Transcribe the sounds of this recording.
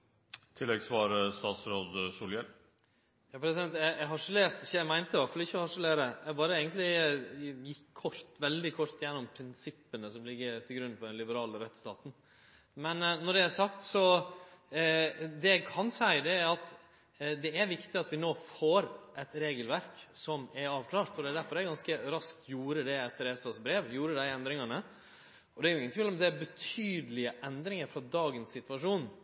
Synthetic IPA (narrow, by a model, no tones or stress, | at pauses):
t̪ʰɪlːɛɡsʋɑːɾəst̪ɑːt̪sɾoːd̪suljɛl | jɑːpʰɾɛsɪd̪ɛnt̪æʔæɦɑʂəleːɾt̪ɪçəæmæɪnt̪əʋæɾfɑlɪçːəɔhɑʂəleːɾəjæbɑːɾəeːɡənt̪lɪ | jɪkʰːɔʂt̪ʋɛld̪ɪkʰɔɾt̪jɛnːɔmpʰɾɪnsɪpːənəsɔmlɪɡːət̪ʰɪlɡɾʉnːfɔd̪ɛnlɪbəɾɑːləɾɛt̪st̪ɑːt̪n̩ | mɛnnɔɖɛæsɑkt̪sɔ | d̪ɛæɪkʰɑnsæɪd̪ɛæɾɑt̪ | d̪ɛæɾʋɪkt̪ɪɑt̪ʋɪnoːfoːɾʔɛt̪ɾeːɡəlʋæɾksɔmæɾɑːʋkʰlɑːɾt̪ɔd̪ɛæɾd̪æɾfɔɾæɾɡɑnskəɾɑsk̚t̪juːɾəd̪ɛɛt̪ʰːɾeːsɑsbɾeːʋjuːɾəd̪æɪɛnd̪ɾɪŋɑnə | ɔd̪ɛæɾjʊɪŋːənt̪ʰɪlɔmd̪ɛæɾbət̪ʰyːd̪əlɪəʔɛnd̪ɾɪŋəɾfɾɑd̪ɑːɡənsːɪt̪ʋɑʂuːn